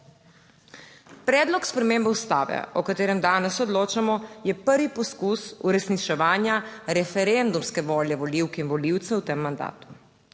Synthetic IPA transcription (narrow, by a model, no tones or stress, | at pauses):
pɾɛːd̪lɔkspɾɛmeːmbɛust̪a̰ːʋɛ̰ɔkat̪eːɾɛmd̪aːnɛsɔd̪loːt͡ʃamɔjɛpəɾʋipɔskusuɾɛsnit͡ʃɛʋaːnjaɾɛfɛɾend̪umskɛʋoːljɛʋɔliwkinʋɔliwt̪sɛwt̪emːand̪a̰ːt̪u̥